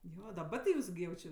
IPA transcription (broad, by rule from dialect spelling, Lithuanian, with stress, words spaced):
ˈjoː dɐˈbɐ tʲɪ ˈjuːs ɡʲɪ jɛʊ ˈt͡ʃʲɪ